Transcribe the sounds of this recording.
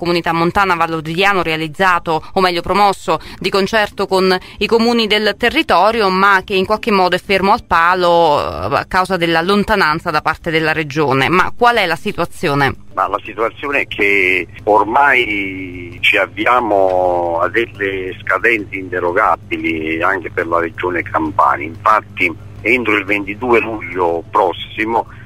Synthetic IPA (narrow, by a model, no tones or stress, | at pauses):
komunit̪amːont̪aːnavalːod̪id̪jaːnoɾealid̪zːaːt̪oːmːɛʎːopɾomɔsːod̪ikont͡ʃɛrt̪okon | ikomuːnid̪elt̪erːit̪ɔːɾjomak̟ːeiŋkwalk̟emːɔːd̪oɛfːermoalpaːloa̰kːawzad̪elːalont̪anant̪sad̪apart̪ed̪elːaɾed͡ʒoːnḛma̰kːwalɛlasit̪uat̪sːjoːne | malasit̪uat̪sːjoːneɛkʰːe | ormaj | t͡ʃiavːiaːmoad̪elːeskad̪ɛnt̪seint̪eɾoɡabiliaŋk̟eperlaɾed͡ʒoːnekʰampa̰ːna̰iɱfat̪ːi | ɛnt̪ɾoilvent̪id̪uːeluʎːopɾɔsimo